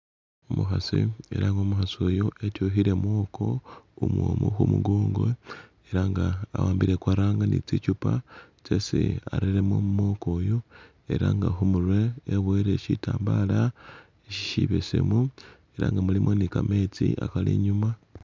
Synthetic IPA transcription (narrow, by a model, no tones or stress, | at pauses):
omuxasiḛɾaŋɡoːmuxasojoetoɦiɾe̞mwo̞ːko̞umwo̰muxumuɡoːŋɡo | eɾaŋɡaːwaːmbiɾekwaɾaːŋɡanit͡sicupa | t͡sesiaɾeɾemomumo̞ko̞ːjo | e̞ɾaŋɡaxumuɾwe̞ːβweɾe̞ʃitaːmbala | eʃi̥ʃiβesḛmu | e̞ɾa̰ːŋɡamulimʔonikame̞t͡siʔakalḭɲuma